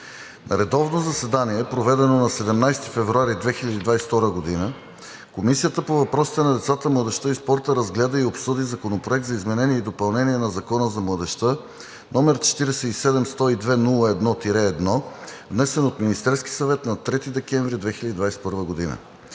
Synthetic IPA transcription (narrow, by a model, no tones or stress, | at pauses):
nʔɐ̰ɾɛd̪ɔvnozɐsɛd̪aniɛpɾovɛd̪ɛnonɐsɛd̪ɛmnajst̪ifɛvɾuaɾid̪vɛxilʲɐd̪iːd̪vajsft̪ɔɾəɡod̪inə | komisijət̪əpovɐpɾɔsi̥t̪ɛnɐd̪ɛt̪sat̪əmlˠəd̪ɛʃt̪əispɔɾt̪əɾɐzɡlʲɛd̪əiopsud̪izɐkonopɾoɛk̚t̪zɐizmɛnɛniɛid̪opɐlˠnɛniɛnɐzɐkɔnəzɐmlˠəd̪ɛʃt̪ə | nɔmɛɾt͡ʃɛ̥t̪iɾɛsɛisɛd̪ɛmst̪ɔid̪vɛnulˠəɛd̪nɔt̪iɾɛːd̪nɔvnɛsɛnot̪minist̪ɛɾski̥sɐvɛt̪nɐt̪ɾɛt̪id̪ɛkɛɱvɾid̪vɛxilʲəd̪id̪vajsɛ̥pɤɾvəɡod̪inə̰